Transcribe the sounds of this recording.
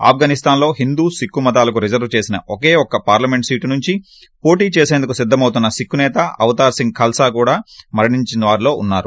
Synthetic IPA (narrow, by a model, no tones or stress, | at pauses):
a̰ːp̚ʰɡaːnist̪aːnlo̞ːɦind̪uːsikːumɐd̪aːlɐk̬uɾid͡ʒɐɾʋt͡ʃe̞ːsinɐ̰ʔɔkeːɔkːɐpaːɾlɐmeɳʈsiːʈinuɲt͡ʃi | po̞ːʈiːt͡ʃeːseːnd̪ukusid̪ʱːɐmɐwt̪unːɐsikːunɛːt̪ɐɐʋɐt̪aːɾsiŋɡ̚kʰɐlsaːkuːɽaːmɐɾɐɳiɲt͡ʃinɐʋaːɾilo̞ːunːaːɾu